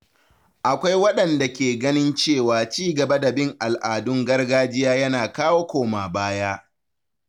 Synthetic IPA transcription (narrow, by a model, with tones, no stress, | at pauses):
ʔa˨kʷa˦jwɐ˦ɗɐ˨nda˨kʲeː˨ɡɐ˦nɪ˦nt͡ʃeː˦˨waː˨t͡ʃiː˦ɡɐ˨bɐ˦da˨bɪ˦˨ŋʔa˨lʔaː˨dʊ˦ŋɡɐ˦rɡaː˦d͡ʒɪ˦jaː˦jɐ˦naː˨kaː˦woː˦kʷoː˨maː˨baː˦jaː˦